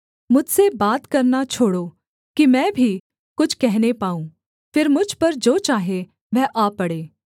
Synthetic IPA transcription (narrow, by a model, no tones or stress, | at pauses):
mʊd͡ʒʱsebaːt̪kɐɾnat͡ʃʰoːɽoː | kimɛ̃ːbʱi | kʊt͡ʃʰkɛɦnepaːũː | fʰɪɾmʊd͡ʒʱpɐɾd͡ʒoːt͡ʃaːɦe | ʋɛːʔaːpɐɽeː